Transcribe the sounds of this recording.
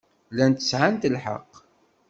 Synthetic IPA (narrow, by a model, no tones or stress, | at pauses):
lænt̪əsʕant̪əlħə̰q